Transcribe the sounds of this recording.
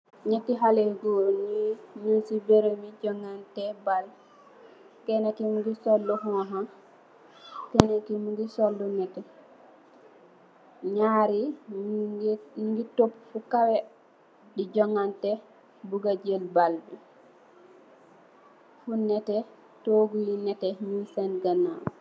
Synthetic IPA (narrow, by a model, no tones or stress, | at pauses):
ɲɛtːiɦaleɡɔniɲusibeɾemiɟɔŋantɛbal | kɛnakimuɡisɔlːuɦɔɦa | kɛnakimuɡisɔlːunɛtɛ | ɲaɾi | ɡitopːfukawɛ | did͡ʒɔŋːantɛ | buɡad͡ʒelbalbɛ | funɛtɛ | toɡujinɛtɛɲusɛnɡanaw